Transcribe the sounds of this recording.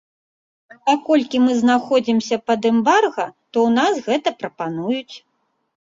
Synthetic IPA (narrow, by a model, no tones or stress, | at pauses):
ɐpakɔlʲkʲimɨznaxɔd͡zʲimsʲɐpɐd̪ɛmbarɣɐt̪ɔwn̪asɣɛt̪ɐpɾɐpanujut͡sʲ